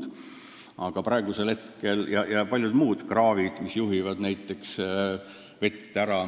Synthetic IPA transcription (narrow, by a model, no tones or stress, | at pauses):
d̪̥ | ʔɑɡ̥ɑpɾɑe̞ɡ̥use̞lhe̞t̪ke̞ljɑjɑpɑlʲjud̪̥muːd̪̥krɑːvid̪̥misjuɦivɑd̪̥næjt̪ːˑe̞ks | ve̞t̪ːeæɾɑ